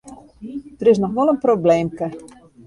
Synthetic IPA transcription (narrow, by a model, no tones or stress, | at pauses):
d̥ərɪs̬nɔxʋɔlˠənprobleːmkə